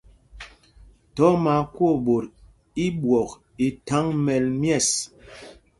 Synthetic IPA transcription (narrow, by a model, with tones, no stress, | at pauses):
tɔ˨˦ma˨kwo˦˨ɓo˨ɾ | i˦ɓwɔ˨k | i˨ta˨˦ŋmɛ˨lmjɛ˦˨s